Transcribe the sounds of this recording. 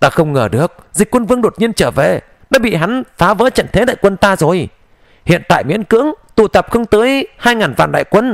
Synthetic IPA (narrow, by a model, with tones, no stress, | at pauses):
t̪aː˧xə˧wŋ͡mŋəː˧˩ɗɨ˨˩ək̚zï˨˩k̟̚kwə˧nvɨ˧əŋɗo˨˩t̚ɲi˧ənt͡ɕəː˧˩vḛ˧˩ | ɗa̰ː˧˥ɓḭ˧˨ɦa˨˦jŋ̟faː˨˦və̰ː˧˥t͡ɕə̰˧˨nt̪ʰe˨˦ɗa̰ː˧˨jkwə˧nt̪aː˧zo˨˩j | hḭ˧˨ənt̪a̰ː˧˨jmḭ˧˥ənkɨ̰˧˥əŋt̪u˧˩t̪ə˨˩p̚xə˧wŋ͡mt̪əː˨˦jhaː˧jŋaː˨˩nva̰ː˧˨nɗa̰ː˧˨jkwə˧n